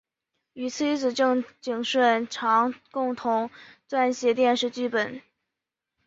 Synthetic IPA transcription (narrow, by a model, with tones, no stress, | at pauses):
y˧˥t͡sʰɹi˥t͡sɹ̩˨˩ʈ͡ʂɤ˥˧ŋt͡ɕi˨˩ŋʂwə˥˩nʈ͡ʂʰɑ˧˥ŋkʊ˥˩ŋt̪ʰʊ˧˥ŋt̪wa˥˧nɕjɛ˧˥t̪jɛ˥˧nʂɻ̩˥˧t͡ɕy˥˩pə˨˩˦n